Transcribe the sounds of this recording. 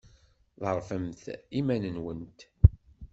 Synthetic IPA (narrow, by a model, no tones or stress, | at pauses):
ðˤəɾˤfəmθimænənwənt̪